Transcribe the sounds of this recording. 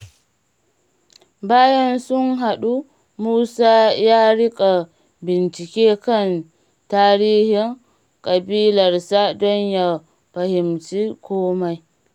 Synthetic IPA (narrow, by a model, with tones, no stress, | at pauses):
baː˦ja˦nsu˦nɦa˨ɗu˦ | muː˦sa˦ja˦ɾi˦kʼa˨ | bi˨nt͡ʃi˨kʲɛ˦ka˦n | taː˦ɾiː˦hi˦ŋ | kʼa˨biː˦la˨ɾsa˦dɔ˦nja˨ | pa˨hi˨mt͡ʃi˦kʰɔː˦ma˨j